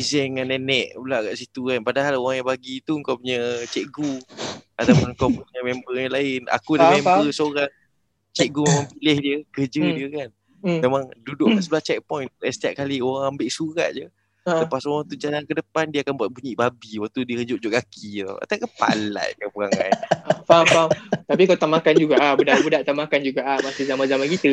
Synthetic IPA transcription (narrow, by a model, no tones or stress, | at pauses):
isɛŋanːɛnɛʔbulaʔkaʔsit̪ukanpadaɦaloɣaŋjaŋbaɡit̪uəŋkawpuɲət͡ʃɛʔɡuat̪apʊnkawpuɲəmɛmbəjaŋlaɪna̰kudamembəsoɾaŋ | t͡ʃɛk̚ɡumemãŋpilɪhdiəkərd͡ʒədiəkan | memaŋdudʊʔsəbəlaht͡ʃɛk̚pɔjnɛst̪iaʔ̪̚kalioɣaŋambɪʔsuɾa̰ʔ̪̚d͡ʒə | t̪əpasoɣaŋt̪ud͡ʒalankədəpandiəakanbuat̪̚buɲiʔbabiwak̚t̪udiəhəd͡ʒʊʔ̚d͡ʒʊʔɡakʰit̪ɔ̰a̰t̪akəpa̰la̰ʔd͡ʒəpuɣaŋa̰nafafamt̪apikaut̪aʔmakand͡ʒuɡaʔabudaʔbudaʔt̪amakand͡ʒuɡaʔahmasizamanzamankit̪ə